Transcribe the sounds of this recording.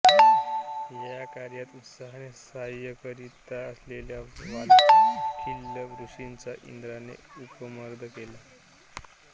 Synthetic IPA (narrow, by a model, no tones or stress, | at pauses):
jjakaɾjat̪ut̪saɦanesajəkəɾit̪aəsleljaʋalkʰilːəɡɾuʂint͡saʔḭnd̪ɾanḛupəməɾd̪ʱəkela